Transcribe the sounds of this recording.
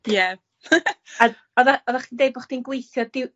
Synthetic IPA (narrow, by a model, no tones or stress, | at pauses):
jɛ | a | ɔðaɔðaχiːndejbɔχd̥inɡwejθjɔdɪw